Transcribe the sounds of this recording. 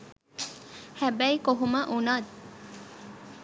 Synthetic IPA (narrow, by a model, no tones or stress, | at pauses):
hæbæikoɦumɐʔunad̪